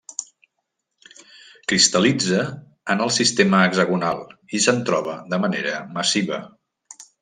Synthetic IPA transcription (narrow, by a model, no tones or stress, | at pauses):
kɾist̪əlid͡zəː | nəlˠsist̪eməːɡzəɣunalˠisənt̪ɾɔβəd̪əmənḛɾəməsiβə̰